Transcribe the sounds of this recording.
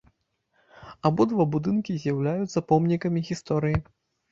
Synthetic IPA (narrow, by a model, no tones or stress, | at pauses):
abɔd̪vabud̪ɨnkʲizʲjawlʲajut̪sɐpɔmnʲikɐmʲiɣʲist̪ɔɾɨji